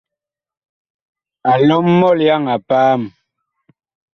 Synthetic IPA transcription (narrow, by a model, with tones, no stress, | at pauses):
a˨lɔ˦mːɔ˦˨lja˦˨ŋa˨paː˦m